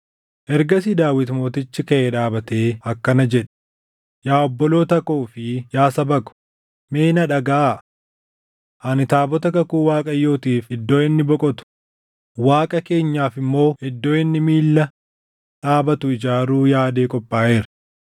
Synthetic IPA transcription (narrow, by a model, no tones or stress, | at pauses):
ʔɛɾɡɐsid̪aːwɪt̪mo̞ːt̪ɪt͡ʃːɪkɐʔeᶑaːbɐt̪e̞ːɐkːɐnɐd͡ʒɛᶑɛ̥ | jaːɔbːɔlo̞ːt̪ɐkoːfɪjaːsɐbɐkʊ̥ | me̞ːnɐᶑɐɡaː | ʔɐnɪt̪aːbɔt̪ɐkɐkuːwaːkʼɐjːo̞ːt̪iːfɪd̪ːo̞ːɪnːɪbɔkʼɔt̪ʊ̥ | waːkʼɐke̞ːɲːaːfɪmːo̞ːɪd̪ːo̞ːɪnːɪmiːlːɐ | ᶑaːbɐt̪ʊɪd͡ʒaːɾuːjaːd̪e̞ːkʼɔpʼːaːʔeːɾɐ